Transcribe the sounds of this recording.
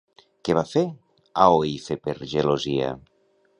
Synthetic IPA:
keβafe | aoiθepeɾʒelozia̰

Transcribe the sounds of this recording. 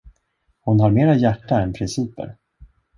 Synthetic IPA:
hʊnɦaɾmeːɾajæʈːaɛnpʰɾɪnsiːpə̰ɾ

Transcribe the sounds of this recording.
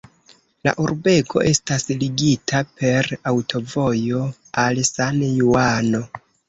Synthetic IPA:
la̰ʔuɾbe̞kʰo̞̰ʔe̞stasliɡitʰapʰe̞ɾawtʰo̞vo̞jo̞ | alsanjuano̞

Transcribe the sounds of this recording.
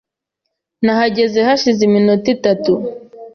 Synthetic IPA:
nahaɟezehaʃiziminutitatu

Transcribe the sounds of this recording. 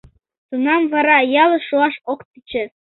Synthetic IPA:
t̪unɑmvɑɾɑjɑlˠɤ̆ʃuɑʃokt̪it͡ɕɘ̆

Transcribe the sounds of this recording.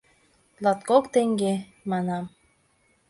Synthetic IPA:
lˠɑt̪kokt̪eŋɡe | mɑnɑm

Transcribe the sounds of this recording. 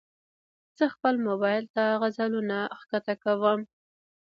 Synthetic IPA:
z̥əxpəlmʊbɑjlt̪ahaɣazalunaxkat̪akawəm

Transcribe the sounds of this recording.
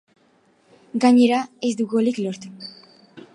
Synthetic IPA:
ɡaɲe̞ɾaezd̪uɣuliklo̞ɾt̪u̥

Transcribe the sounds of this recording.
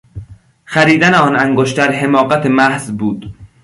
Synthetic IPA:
xæɾiːd̪æneɒːnæŋɡoʃt̪æɾɦe̞mɒːɢæt̪ʰemæhzbuːd̪

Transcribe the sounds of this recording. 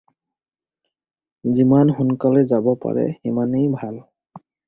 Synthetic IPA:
zimanxunkalɛzabɔpa̰ɹɛ̰imanejbʱal

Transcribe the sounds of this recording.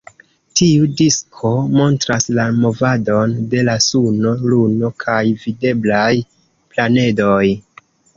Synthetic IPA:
tiudiskʰo̞mo̞ntɾaslamo̞vado̞nde̞lasuno̞luno̞kʰajvide̞blaj | plane̞doj

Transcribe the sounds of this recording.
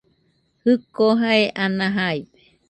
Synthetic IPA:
hɯkoɦaeʔanãɦajbe̥

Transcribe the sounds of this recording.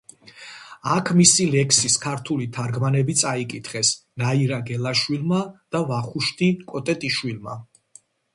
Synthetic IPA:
akʰmisilɛkʰsiskʰaɾt̪ʰulit̪ʰaɾɡmanɛbit̪sʼaikʼit̪ʰχɛsnaiɾaɡɛlˠaʃwilˠmad̪̥avaχuʃt̪ʰʼikʼɔt̪ʼɛt̪ʼiʃwilˠma

